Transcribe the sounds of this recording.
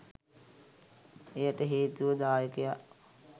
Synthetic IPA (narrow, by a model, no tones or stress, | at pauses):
ejəʈəɦeːt̪uʋəd̪aːjəkejaʔ